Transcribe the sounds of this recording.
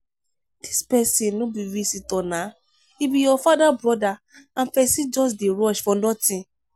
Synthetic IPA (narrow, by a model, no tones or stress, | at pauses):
d̥ispɛsĩnɔ̃biɾisitɔ̃nã | ibijɔfadabɾɔda | ãnfɛsid͡ʒɔs̬deɾɔʃfɔ̃nɔ̃tĩ